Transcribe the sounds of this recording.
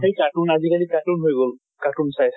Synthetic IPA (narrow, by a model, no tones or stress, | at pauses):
ejkaʈunazikalikaʈunɦojɡol | kaʈunsajt